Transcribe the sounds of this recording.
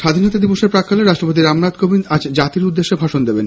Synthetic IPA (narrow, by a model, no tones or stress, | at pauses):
ʃad̪ʱinɔt̪ad̪iboʃeɾpɾakʰːaleɾaʃʈɾopot̪iɾamɾat̪kobinad͡ʑd͡ʑat̪iɾud̪ːeʃːebʱaʃond̪eben